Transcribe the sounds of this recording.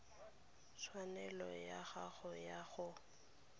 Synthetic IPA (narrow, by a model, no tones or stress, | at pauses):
t͡sʰwanɛlɔjaɣaɣʊjaɣʊ